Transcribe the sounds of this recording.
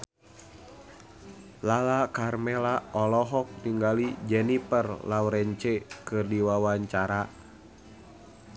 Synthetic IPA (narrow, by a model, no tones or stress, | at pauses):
lalakarmɛlaɔlɔɦɔk̚niŋɡalid͡ʒɛnipərlawɾɛɲt͡ʃɛkɨrdiwawaɲt͡ʃaɾa